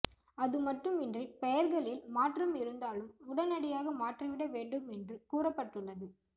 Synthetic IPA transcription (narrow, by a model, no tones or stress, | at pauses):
ɐðɯmɐʈːɯmɪndripɐjɐɾɣɐɭɪlmaːʈrɐmɪɾɯnd̪aːlɯmʊɽɐnɐɽɪjaːɣɐmaːʈrɐʋɪɽɐʋeːɳɖɯmɛndrɯkuːrɐpːɐʈːɯɭːɐðɯ